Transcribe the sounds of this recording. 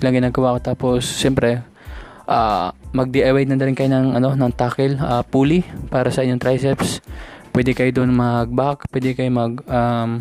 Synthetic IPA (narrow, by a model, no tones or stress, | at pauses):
lɐŋɡɪnaːɡɐwaʔkot̪aːposːɛmpɾɛ | ʔaːmɐɡ̚d̪ɛʔɐwɛj̪nɐnɐɾɪnkɐjonɐŋʔɐno̞nɐŋt̪aːkɛlʔɐpuːlipaːɾɐsɐʔɪɲoŋt̪ɾajsɛpspwɛːd̪ɛkɐjod̪ʊnmɐɡ̚bak̚pwɛːd̪ɛkɐjomɐɡ̚ʔam